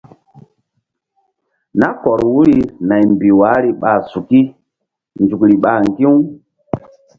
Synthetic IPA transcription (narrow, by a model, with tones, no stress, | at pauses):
na˦kɔ˨ɾwu˦ɾi˨na˨jmbi˨wa˨˦ɾi˨ɓa˨su˨ki˦ | nd͡ʒu˨kɾi˨ɓa˨ŋɡi˦w